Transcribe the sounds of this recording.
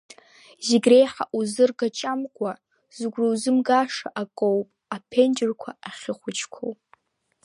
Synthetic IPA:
ziɡʲrejħa̰ʔuzɨrɡat͡ʃʼamkʷʼa | zɨɡʷrowzɨmɡaʂaʔakʼowpʼapʰend͡ʒɪrkʷʰa̰aχʲɪχʷʊt͡ʃʰkʷʰo̰wpʼ

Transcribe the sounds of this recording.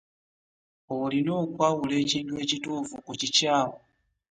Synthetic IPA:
olinoːkwawulecindweːcitufukut͡ʃicaːwo

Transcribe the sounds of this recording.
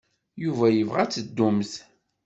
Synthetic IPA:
juvæjəvʁæt͡sːəd̪ːumθ

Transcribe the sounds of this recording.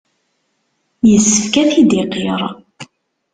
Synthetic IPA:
jəsːəfkæθid̪iqiɾˤ

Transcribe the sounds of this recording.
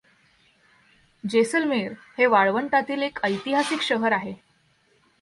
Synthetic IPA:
d͡ʑesəlmeɾ | heʋaɭʋəɳʈat̪iːlekəjt̪iɦasikɕəɦəɾaɦe

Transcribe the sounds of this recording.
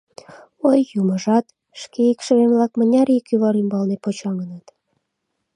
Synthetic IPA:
ojːumə̆ʒɑt̪ | ʃkeikʃə̆βemlɑk̚mə̆nʲɑɾikyβɑɾimbɑlnepot͡ɕɑŋənɑt̪

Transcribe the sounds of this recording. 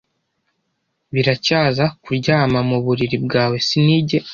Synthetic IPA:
βiɾacaːzakuɾɟaːmamuβuɾiɾibɡaːwe̞siniːɟe

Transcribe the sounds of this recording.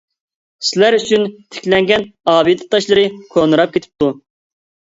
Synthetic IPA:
sɪlæɾyt͡ʃʰynt̪ʰe̥kʲlɛŋɡʲɛnɑːbid̪ɨt̪ʰːɑʃlˠɨɾɨkʰonɨɾɑp̚kʲʰet̪ʰɪ̥p̚t̪u

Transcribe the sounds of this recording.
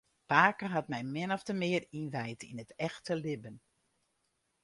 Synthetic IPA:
paːkəɦatmɛjmɪnɔfdəmɪərinʋɛjtḭnətɛxtəlɪbən

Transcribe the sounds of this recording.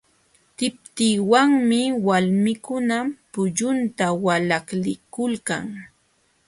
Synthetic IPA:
t̪ɪp̚t̪iːwaŋmɪwalmɪkʊnapʊʎʊnt̪awalaklɪkʊlka̰ŋ

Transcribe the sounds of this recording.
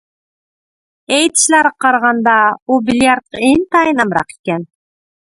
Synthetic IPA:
ejt̪ʃlæɾqɑɾʁɑnd̪ɑubʲilʲjaɾt̪̚eŋt̪ɑjinɑmɾɑ̰qi̥kæn

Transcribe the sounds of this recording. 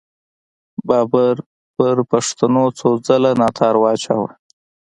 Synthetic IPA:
bɑbaɾ | pəɾpaʂt̪anot͡sod͡zəlanɑt̪ʰɑɾwɑt͡ʃa̰wa̰

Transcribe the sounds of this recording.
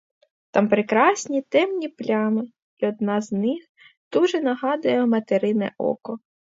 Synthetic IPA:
t̪ɑmpɾekɾɑsʲnʲit̪ɛmnʲiplʲɑmɪ | iɔd̪̚nɑznɪx | d̪̥uʒɛnɐɦɑd̪ʊjɛmɐt̪eɾɪnɛ̰ʔɔ̰kɔ

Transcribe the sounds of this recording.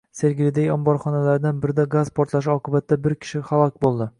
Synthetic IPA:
se̞ɾɡʲɪlɪd̪ejɒmbɒɾχɒnalaɾd̪anbɪɾɪd̪aɡazpʰoɒɾt̪lˠaʃ̬ɪɒqʰɨbat̪ʰːabɪɾkʲʰɪ̥ʃɪχalˠɒkʲbolˠd̪ɪ

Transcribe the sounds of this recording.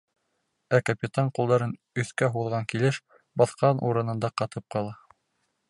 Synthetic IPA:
ækapʲit̪ɑɴqulˠd̪ɑɾɤn | ɵ̆θkæɦuðʁɑŋkilɘʃ | bɑθqɑnʔṵɾɤ̆nɤ̆nd̪ɑqɑt̪ɤp̚qɑlˠɑ

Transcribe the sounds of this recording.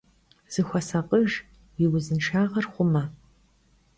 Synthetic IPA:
z̥ɨxʷɐsaqʼəʒ | iwʊzɨnʈ͡ʂʰaːʁɐrχʷʊmɐ

